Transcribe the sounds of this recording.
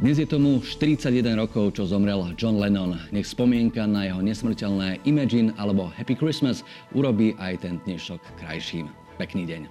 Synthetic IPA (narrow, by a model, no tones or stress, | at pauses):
d̪ɲɛzɪjɛt̪ɔmuʃt̪iɾit͡saɟjɛd̪ɛnɾɔkɔʊt͡ʃɔzɔmɾɛld͡ʒɔnlɛnɔnɲɛxspɔmɪɛŋkanajɛɦɔɲɛsmr̩cɛlnɛːʔimad͡ʒinalɛbɔhɛpikɾismas | uɾɔbiːʔajt̪ɛnd̪ɲɛʃɔkːɾa̰jʃiːm | pɛkniːɟɛɲ